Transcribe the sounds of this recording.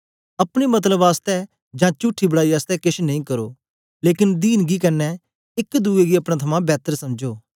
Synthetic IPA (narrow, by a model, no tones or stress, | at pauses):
ɐpɽ̃imɐt̪̬ləbaːst̪ɛ | d͡ʒãːt͡ʃuʈʰːibəɽaːiaːst̪ɛkɪʃnɐĩːkəɾoː | leːkɪnd̪iːnɡikɐnːɛ | ɪkd̪uːeɡiɐpɽ̃ãt̪ʰɐmãbɛːt̪əɾsɐmd͡ʒoː